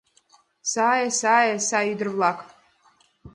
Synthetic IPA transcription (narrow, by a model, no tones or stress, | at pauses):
saːjasaːjasaid̪ɨrvlˠakʰ